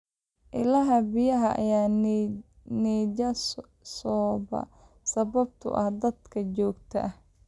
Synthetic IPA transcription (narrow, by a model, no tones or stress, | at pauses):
ʔɪlɐɦɐbɪjɐɦɐʔɐ̰jaː | nɛːd͡ʒɐ | sɔːbɐ̰ | sɐβɐb̚t̪ʰʊ̰ʔɐhd̪ɐd̪kʰɐt͡ʃɔːɡt̪ʰɐ̰ʔh